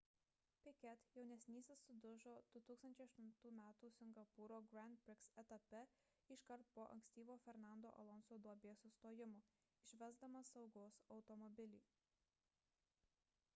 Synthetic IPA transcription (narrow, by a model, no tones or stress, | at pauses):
pʲɪkʲɛt̪jɛʊnʲɛsʲnʲiːsʲɪsʊd̪ʊʒoːd̪̥ʊt̪uːkst̪ɐnʲt͡ʃʲɛɪɐʃt̪ʊnt̪uːmʲæːt̪uːsʲɪŋɡɐpuɾoːɡɾʲæˑnt̪̚bʲɾʲɪksɛt̪ɐpʲɛ | ɪʃkɐɾt̪̚poːʔɐ̰ŋʲksʲt̪ʲiːʋoːfʲɛɾnɑˑnd̪o̰ːʔɐ̰lˠɔnsoːd̪ɔbʲeːsʊst̪oːjɪmʊ | ɪʃʲʋʲɛzd̪ɐmɐsɒʊɡoːsɒʊt̪ɔmɔbʲɪlʲiː